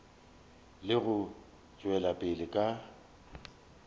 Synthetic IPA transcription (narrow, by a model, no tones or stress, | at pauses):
lɪɣʊ | t͡ʃʼwɛlapʼɪlɪkʼa